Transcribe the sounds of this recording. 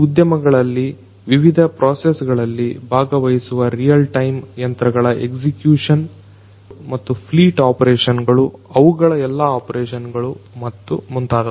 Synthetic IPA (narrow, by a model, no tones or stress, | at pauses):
ud̪jɐmɐɡɐɭɐlːi | ʋiʋid̪ʱɐpɾoːsesɡɐɭɐlːibʱaːɡɐʋɐjisuʋɐɾijɐlʈɐjmjɐnt̪ɾɐɡɐɭɐʔeɡsikjuːʂɐn | mɐt̪ːupʰliːʈaːpɐɾeːʂɐnɡɐɭuɐʋuɡɐɭɐɛlːɐaːpɐɾeːʂɐnɡɐɭumɐt̪ːumunt̪aːɾɐ